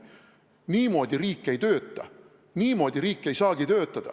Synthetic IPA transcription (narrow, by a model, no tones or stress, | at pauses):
niːmo̞ːd̪ʲiɾiːkːˑejt̪øːt̪ːˑɑ̰ | niːmo̞ːd̪ʲiɾiːkːˑe̞jsɑːɡ̥it̪ø̞ːt̪ːˑɑd̪̥ɑ̰